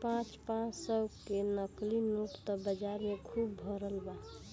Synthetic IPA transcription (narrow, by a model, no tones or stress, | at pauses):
pãt͡ʃpãt͡ʃsəkenəklinuʈt̪ɔbəd͡ʒaɾmekʰubːʱɔɾəlba